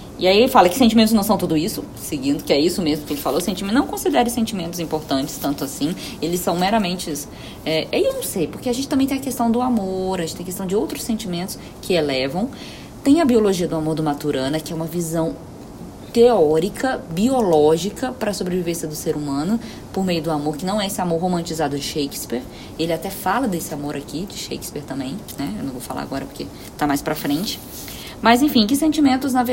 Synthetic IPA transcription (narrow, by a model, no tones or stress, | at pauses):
ɪaielɪfalɐkɪsẽnt͡ʃimẽt̪ʊznɐ̃w̃sɐ̃t̪ud̪ʊisʊ | seɡĩnd̪ʊkɪɛisʊmezmʊkɪelɪfalosẽnt͡ʃimẽnɐ̃w̃kõsid̪ɛɾɪsẽnt͡ʃimẽnt̪ʊzĩpoɾt̪ɐ̃nt͡ʃɪ̥st̪ɐ̃nt̪ʊasĩelɪssɐ̃w̃meɾɐmẽnt͡ʃɪs | ɛʔɛewnɐ̃w̃sejpoɾkeaʒẽnt͡ʃɪt̪ɐ̃mẽj̃t̪ẽj̃ɐkest̪ɐ̃w̃d̪ʊamoɾaʒẽt͡ʃt̪ẽj̃kest̪ɐ̃w̃d͡ʒɪowt̪ɾʊ̥sẽt͡ʃimẽnt̪ʊ̥s | kʰɪelɛvɐ̃w̃ | t̪ẽj̃ɐbioloʒiɐd̪ʊamoɾd̪ʊmat̪uɾɐ̃nɐkɪɛũmɐvizɐ̃w̃ | t̪eɔɾikɐbiolɔʒikɐpɾɐsobɾevivẽsjɐd̪ʊseɾumɐ̃nʊ | poɾmejʊd̪ʊamoɾkɪnɐ̃w̃ɛesɪamoɾɦomɐ̃t͡ʃizad̪ʊd͡ʒɪʃejkɪ̥spiɾ | elɪat̪ɛfalɐd̪esɪamoɾakid͡ʒɪʃḛjkɪ̥speɾt̪ɐ̃mbẽj̃nɛewnɐ̃w̃vowfala̰ɾa̰ɡɔɾɐpoɾke | t̪amajspɾɐfɾẽnt͡ʃɪ̥ | mɐzẽfĩkɪsẽt͡ʃimẽnt̪ʊznɐve